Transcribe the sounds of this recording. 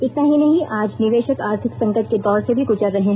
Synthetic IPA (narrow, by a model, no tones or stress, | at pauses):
ɪt̪naɦinɐɦĩʔaːd͡ʒnɪʋeːʃəkaːɾt̪ʰɪksɐ̃ŋkət̪̚ked̪ɔːɾsebʱiɡʊd͡ʒaɾɐɦẽ